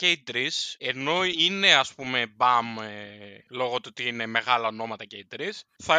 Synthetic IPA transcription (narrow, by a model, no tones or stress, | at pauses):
ceid̪ɾise̞no̞ine̞ɐspume̞bɐm | lo̞ɣot̪oot̪iine̞me̞ɣɐlɐono̞mɐt̪ɐceid̪ɾisθɐ